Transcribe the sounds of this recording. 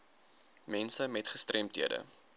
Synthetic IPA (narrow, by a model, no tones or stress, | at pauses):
mɛnsəmɛtχəstrɛmtɦiədə̰